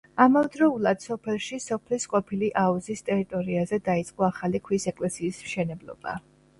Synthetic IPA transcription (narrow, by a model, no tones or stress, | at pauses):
amavɛd̪ɾɔulˠad̪̥sɔpʰɛlˠʃisɔpʰlisqʼɔpʰiliʔauzist̪ʼɛɾit̪ʼɔɾiazɛd̪ait̪sʼqʼɔaχalikʰwisɛkʼlɛsiːsmʃɛnɛblˠɔ̰ba̰